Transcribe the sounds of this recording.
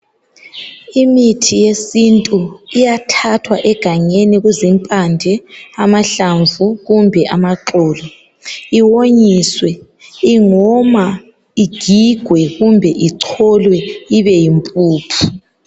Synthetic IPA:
imitʰijesintʼuijatʰatʰwaʔɛɡ̥ʱaɲeniɣuzimpʼandʱɛamaɬaɱvuɣumbʱɛʔamaǁɔːlɔ | iwoɲiswɛ | iŋɔma | iɡ̥ʱiɡ̥ʱwɛɣumbʱɛʔiǀʰɔlwɛiβɛjimpʼuːpʰu̥

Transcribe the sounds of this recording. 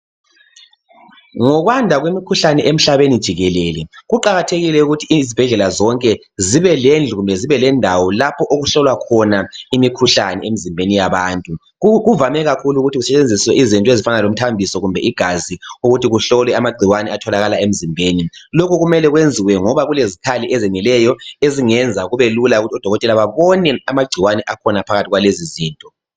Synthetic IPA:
ŋɔɣwandʱaɣwemikʰuɬanɛʔem̩ɬaβenid̥ʒ̥ʱiɣɛlɛlɛɣuǃaɣatʰeɣilɛuɣutʰizib̥ʱɛɮɛlazɔŋkʼɛ | ziβɛlɛnd͡ɮʱuɣumbʱɛziβɛlɛndʱawɔlapʰɔʔoɣuɬɔlwakʰɔnaimikʰuɬanɛ̰em̩zimbʱenijaβaːntʼu | ɣuvamɛɣakʰuluɣutʰiɣusɛt͡ʃʼend͡zʱiswɛʔizintʼɔezifanalom̩tʰambʱisɔɣumbʱɛʔiɡ̥ʱaziuɣutʰiɣuɬɔlwɛamaɡ͡ǀʱiwanɛatʰɔlaɣalaem̩zimbʱeːni | lokʰuɣumɛlɛɣwend͡zʱiwɛŋɔβaɣulezikʰaliʔɛzɛŋilɛjɔeziŋɛnd͡zʱaɣuβelulauɣutʰɔd̥ʱɔɣɔtʼɛlaβaβɔnɛamaɡ͡ǀʱiwanɛʔakʰɔnapʰaɣatʰiɣwaleziziːntʼɔ

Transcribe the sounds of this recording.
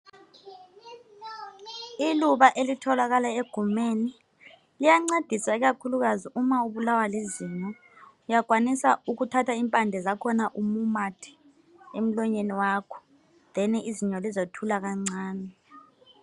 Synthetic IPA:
iluɓaʔelitʰɔlak̬alaeɡ̥ʱumeni | lijaŋ͡ǀed̥ʱisaik̬akʰuluk̬aziʔumauɓulawaliziɲɔ | ujaɡ̥ʱwanisauk̬utʰatʰaimpʼandʱɛzakʰɔnaʔumumatʰɛ̥ | em̩lɔɲeniwakʰɔ̥ | ðɛniiziɲɔlizotʰulak̬aŋ͡ǀaːnɛ

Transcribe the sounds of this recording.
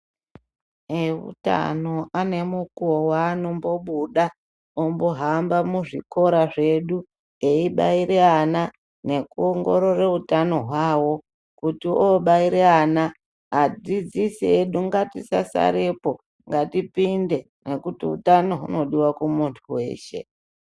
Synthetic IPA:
eṵta̰no̞ane̞mukuowaːno̞mbo̞ɓuɗa | ombo̞ɦambamuʐḭko̞ɾaʐe̞ɗu | eiɓaiɾeana | ne̞kuoŋɡo̞ɾore̞utano̞ɦwaːwo̞ | kutioɓaiɾeana | ad͡zid͡zisieɗuŋɡatisa̰sa̰ɾepo̞ | ŋɡatipinde̞ | ne̞kutḭṵtano̞ɦṵno̞ɗiwakumuntʰuwe̞̰ːʃe̞̰

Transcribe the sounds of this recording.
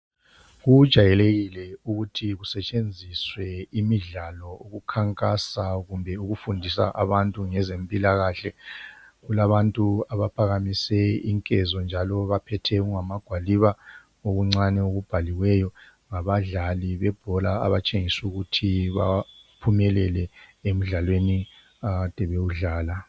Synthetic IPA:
ɣud̥ʒ̥ʱajɛleɣilɛuɣutʰiɣusɛt͡ʃʼend͡zʱiswɛimiɮalɔuɣukʰaŋkʼasaɣumbʱɛuɣufundʱisa̰ʔaβantʼuŋɛzempʼilaɣaːɬɛ | ɣulaβantʼuaβapʰaɣamisɛiŋkʼɛzɔnd͡ʒʱalɔβapʰɛtʰɛɣuŋamaɡ̥ʱwaliβa | oɣuŋ͡ǀanɛoɣub̥ʱaliwɛjɔ | ŋaβaɮaliβɛb̥ʱɔlaa̰βat͡ʃʼeŋisuɣutʰiβa̰pʰumɛlɛlɛem̩ɮalweni | ad̥ʱɛβeuɮaːla

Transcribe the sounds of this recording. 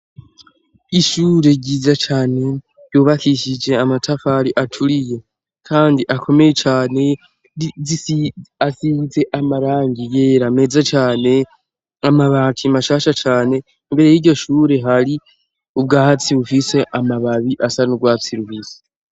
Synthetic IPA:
iʃuːɾe̞ɟiːzat͡ʃaːne̞ | juːβakiʃid͡ʒe̞amatʰafaɾiʔatʰuɾije̞ | kʰaːndiʔakʰo̞me̞je̞t͡ʃaːne̞ | iasize̞ʔamaɾaːŋɡije̞ːɾame̞zat͡ʃaːne̞ | amaβatʰimaʃaːʃat͡ʃaːne̞ | imbe̞ɾe̞jiɟo̞ʃuːɾe̞ɦaɾi | ub̚ɡaːhat͡siɾufise̞ʔamaβaβiʔasanuɡwaːt͡siɾufise̥

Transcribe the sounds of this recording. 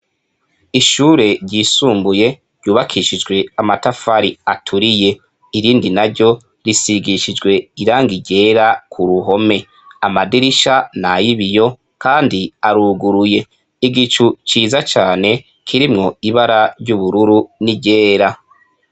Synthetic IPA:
iʃuːɾe̞ɾɟiːsuːmbuje̞ | ɾɟuːβakʰiʃid͡ʒɡwe̞amatafaɾiatʰuɾije̞ | iɾiːndinaɾɟo̞ | ɾisiɡiʃid͡ʒɡwe̞iɾaːŋɡiɟe̞ːɾakʰuɾuɦo̞me̞ | amadiɾiʃanajiβijo̞ | kaːndiaɾuːɡuɾuje̞ | iɡit͡ʃut͡ʃiːzat͡ʃaːne̞ | kʰiɾimŋo̞iβaɾaɾɟuβuɾuɾuniɟe̞ːɾa

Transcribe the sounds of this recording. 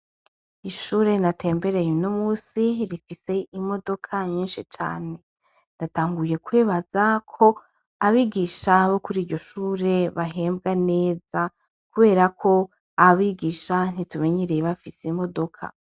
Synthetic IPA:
iʃuːɾe̞natʰe̞ːmbe̞ɾejenomuːsiɾifise̞imo̞do̞kʰaɲiːnʃit͡ʃa̰ːne̞ | ndataːŋɡuje̞kweːβaz̥akʰo̞ | aβiɡiːʃaβo̞kuɾiːɾɟo̞ʃuːɾe̞βaɦe̞ːmbɡane̞ːz̥a | kuβe̞ːɾakʰo̞ | aβiɡiːʃan̥itume̞ɲiɾejβafisimo̞do̞kʰa̰

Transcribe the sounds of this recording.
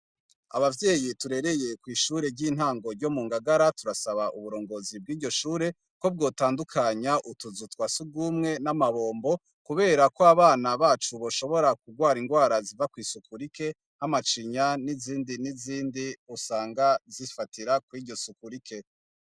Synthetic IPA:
a̰βavje̞ːjituɾe̞ɾe̞jekwiːʃuːɾe̞ɾɟiːn̥haːŋɡo̞ɾɟo̞muːŋɡaɡaɾatuɾasaβaʔuβuɾo̞ːŋɡo̞zib̚ɡiːɾɟo̞ʃuːɾe̞ | ko̞b̚ɡo̞ːtaːndukʰaɲaʔutuzutwasuɡumŋe̞namaβo̞ːmbo̞ | kuβe̞ːɾakoaβaːnaβaːt͡ʃuβoʃo̞βo̞ɾak̚uɡwaːɾiŋɡwaːɾazivakwiːsukuɾike̞ | hamat͡ʃiɲaniziːndiniziːndiusaːŋɡazifatʰiɾakwiːɟɟo̞sukuɾikʰe̞

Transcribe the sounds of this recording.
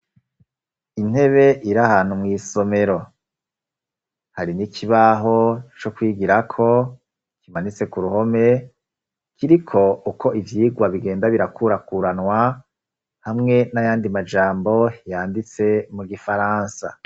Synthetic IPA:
in̥he̞βe̞ʔiɾahaːn̥humŋiːso̞me̞ɾo̞ | haɾinikʰiβaɦo̞t͡ʃo̞kwiːɡiɾakʰo̞ | kimanit͡se̞kuɾuho̞me̞ | kʰiɾikʰo̞ukʰo̞ivjiːɡwaβiɡe̞ːndaβiɾakʰuɾakuɾanwa | hamŋe̞najaːndimad͡ʒaːmbo̞jaːndit͡se̞muɡifaɾaːnsa̰

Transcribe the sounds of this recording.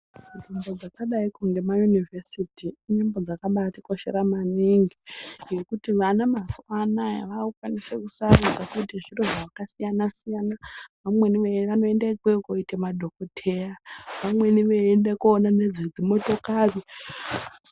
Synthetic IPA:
nimbo̞d͡zakaɗaikuŋɡe̞majunivʱesitiːnimbo̞d͡zakaɓatiko̞ʃe̞̰ɾamaniŋɡije̞kutiʋanamaswanaj̰ʋaukwanisḛkusarud͡zakutiʐiroʐaakasijanasijanaʋamwe̞niʋeʋano̞e̞ndekwekoitemadʱo̞kotʰe̞aʋamwe̞niʋeendekːnane̞d͡zid͡zimo̞to̞kaβi

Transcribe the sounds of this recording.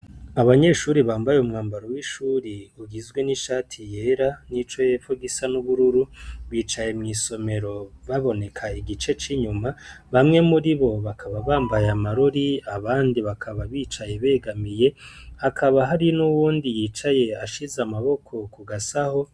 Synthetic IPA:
aβaɲe̞ʃuːɾiβaːmbajeumŋaːmbaɾo̞wiʃuːɾiuɡizɡwe̞niʃaːtʰije̞ːɾanit͡ʃo̞je̞foɡisanuβuɾuɾuβiːt͡ʃaje̞mŋiːso̞me̞ɾo̞βaβo̞ne̞kʰaiɡit͡ʃe̞t͡ʃiɲuma | βamŋe̞muɾiβo̞βakʰaβaβaːmbajamaɾoɾiaβaːndiβakʰaβaβiːt͡ʃaje̞βe̞ːɡamije̞akʰaβaɦaɾinuwuːndijiːt͡ʃaje̞aʃizamaβo̞kʰo̞kuɡasaho̞

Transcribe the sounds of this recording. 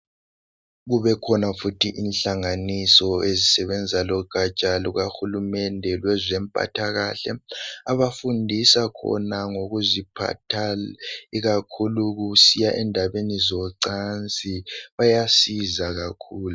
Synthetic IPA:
ɣuβɛkʰɔnafutʰiʔinɬaŋanisɔezisɛβɛnd͡zʱalɔɡ̥ʱat͡ʃʼaluɣaxulumɛndʱɛlwɛzɛmpʼa̰tʰaɣa̰ɬɛ̰aβafundʱisakʰɔ̰naŋoɣuzipʰa̰tʰaliɣakʰuluɣusijaʔɛndʱaβenizɔǀant͡sʼiβajasizaɣakʰuːlu

